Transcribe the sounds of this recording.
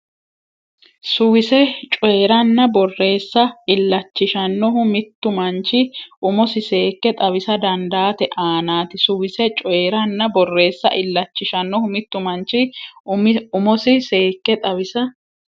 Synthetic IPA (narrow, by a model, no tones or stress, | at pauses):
sʊwɪsɛt͡ʃʼɔjɾɐnːɐbɔrːe̞ːsːɐɪlːɐt͡ʃːɪʃɐnːɔɦʊmɪt̪ːʊmɐnt͡ʃɪʔʊmɔsɪse̞ːkːɛt̪ʼɐβɪsɐd̪ɐnd̪aːt̪ɛʔaːnaːt̪ɪsʊwɪsɛt͡ʃʼɔjɾɐnːɐbɔrːe̞ːsːɐ̰ʔɪlːɐt͡ʃːɪʃɐnːɔhʊmɪt̪ːʊmɐnt͡ʃːɪ | ʊmɔsɪse̞ːkːɛt̪ʼɐβɪsɐ